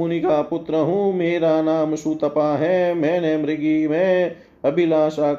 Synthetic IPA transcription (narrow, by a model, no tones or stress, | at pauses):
ʊnikaːpʊt̪ɾəɦũːmeːɾaːnaːmʃuːt̪ɐpaːɦɛːmɛ̃ːneːmɾɪɡiːmẽː | ɐbilaːʃaː